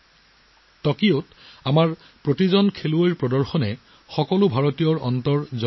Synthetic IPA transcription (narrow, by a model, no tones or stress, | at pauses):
tɔkiot | amaɹ | pɹotizɔnkʰeluojɹpɹɔdɔɹxɔnɛ | xɔkɔlʊbʱaɹotijɔɹɔ̰ntɔɹzɔ